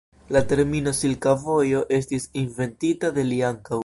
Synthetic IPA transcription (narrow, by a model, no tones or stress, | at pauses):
late̞ɾmino̞silkavo̞jo̞ʔe̞stisinve̞ntitade̞liaŋkaw